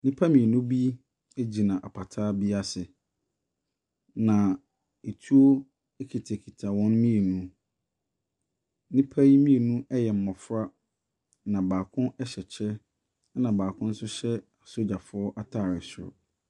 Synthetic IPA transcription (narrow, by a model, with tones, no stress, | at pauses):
nɪ̃˦pʰa˦mĩ˨nũ˦bi˦ | e˦d͡ʑi˨nã˨ʔa˨pʰa˨tʰaː˦bi˦a˦sɪ˨ | nã˨ | e˨tʰu˦o˦ | e˦kʰi˨tʰe˨kʰi˨tʰa˨wɔ̃˦n˦mĩ˦e˨nũ˦ | nɪ̃˦pʰa˦ji˦mĩ˦e˨nũ˦ʔɛ˦jɛ˨m̩˦mɔ˨fɾa˦ | nã˨baː˨kʰʊ̃˦ɛ˦ɕɛ˨t͡ɕʰɛ˦ | nã˨baː˨kʰʊ̃˦n̩˦sʊ˦ɕɛ˦a˨so˦d͡ʑa˨fʊ˨˦ɔ˦ʔa˦tʰaː˦˨ɾɪ˨sʊ̰˦